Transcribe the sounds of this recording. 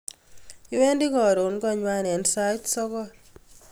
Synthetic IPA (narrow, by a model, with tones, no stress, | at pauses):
i˦wɛ˦ndi˦kɔ˨ɾo˨nkɔ˦ɲwa˦nɛ˨nsa˦jtsɔ˦kɔ˦